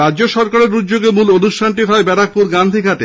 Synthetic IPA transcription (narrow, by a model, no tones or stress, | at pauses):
ɾadd͡ʑoʃɔɾkaɾeɾudd͡ʑoɡemulonuʃʈʰanʈiɦaebɛɾak̚puɾɡand̪ʱiɡʱaʈe